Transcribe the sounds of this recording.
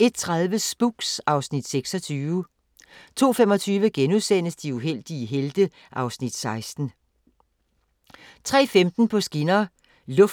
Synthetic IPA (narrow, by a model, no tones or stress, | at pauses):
e̝d̥̚t͡sʰʁaðˠʋəsb̥uɡ̥sɑ̈ʊsnid̥seɡ̥sɒ̽t͡sʰyːʋə | t͡sʰo̝̰ːfemɒ̽t͡sʰyːʋəɡ̥enuðˠsen̰əsd̥iuɦel̰d̥iəɦeld̥ə | ʔɑ̈ʊsnid̥sɑ̈ɪsd̥n̩ | t͡sʰʁɛ̰ːfemd̥n̩pʰɒ̽sɡ̥inɐ | lɔ̽f